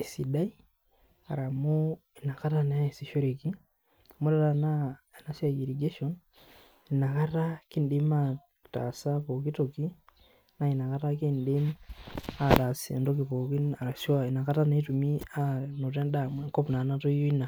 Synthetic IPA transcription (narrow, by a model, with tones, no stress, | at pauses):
i˨si˨da˦i˦ | a̰˨ɾa˨mo˦i˨na˨ka˦ta˦ne˨a˦e˨si˨ʃo˦ɾe˨ki˦ | mu˦ɾa˦tana˨ | na˦sa˦ɡi˨ɾi˨ɡeʃɔn | i˨na˨ka˦ta˦ki˦ndi˦ma˦ | ta̰˨sa˦po˨ki˦toki˦ | na˦i˨na˨ka˦ta˦kindi˦m | a˦ta˨sḛ˨ndo˦k̬i˨po˨ki˦a˨ɾa˨swai˨na˨ka˦ta˦ne˦tumi˦a˦no˨t̬ɛ˦ndamweŋko˦pna˨na˦to˦ijo˦i˦na˨